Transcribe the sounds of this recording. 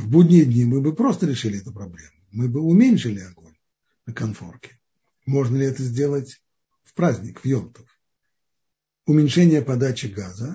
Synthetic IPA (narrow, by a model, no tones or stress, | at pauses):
vbudʲnʲɪjəd̪ʲnʲimɨbɨpɾo̞st̪əɾʲɪʂɨlʲɪɛt̪ʊpɾɐblʲe̞mʊmɨbɨʊmʲenʲʂɨlʲɪɐɡo̞nʲ | nəkɐnfo̞̰rkʲɪ̥ | mo̞ʐnəlʲɪɛt̪əzʲdʲe̞lˠətʲ | fpɾazʲnʲɪkvjo̞mt̪ə̥f | ʊmʲɪnʲʂɛnʲɪjəpɐd̪at͡ɕɪɡazə